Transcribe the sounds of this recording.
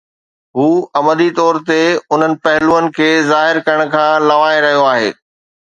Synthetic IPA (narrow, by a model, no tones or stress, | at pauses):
ɦuːɐməd̪it̪ɔːɾt̪eʊn̤ənɪ̆pɐɦɪluːənɪ̆kʰeːzaːɦɪɾkɐɾəɽ̃̆kʰãːlɐʋaːeɾɐɦijoaːɦḛː